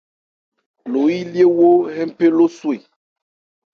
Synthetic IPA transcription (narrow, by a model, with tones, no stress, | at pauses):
lo˨i˦li˦e˦wo˦ɦɛ̃˦m˦pe˦lo˦su˦e˨